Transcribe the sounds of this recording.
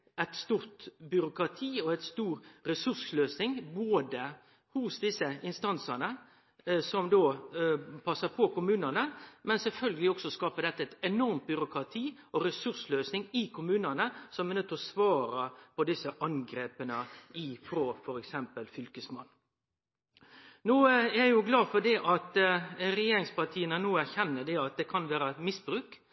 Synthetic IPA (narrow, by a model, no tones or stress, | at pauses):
æɪt̪st̪uːɾt̪bʏɾʊkɾɑt̪ʰiːɔæɪt̪st̪uːɾɾɛsʉɾsløːsnɪŋboːd̪ə | hʊsd̪ɪsəʔɪnst̪ɑnsənə | sɔmd̪oː | pʰɑsːəpʰɔkʊmʉːnənəmɛnsɛlfœlɡəlɪɔksɔskɑːpəd̪ɛt̪ːəɛɪt̪ɛnɔɾmt̪̚bʏɾʊkɾɑt̪ʰiː | ɔɾɛsʉɾʂløːsnɪŋɪkʰʊmʉːnɑnəsɔmɛnʉt̪ːəɾɔsʋɑːɾəpɔd̪ɪsːəʔɑŋɡɾeːpənəɪfɾoːfɔɾɛksɛmpəlfʏlkəsmɑnː | nuːææjʊɡlɑːfɔd̪ɛʔɑt̪ɾɛjeːɾɪŋspɑt̪ʰiːənənuːæɾçɛnːəd̪ɛɑt̪̚d̪ɛkʰɑnʋæːɾəmɪsbɾʉːk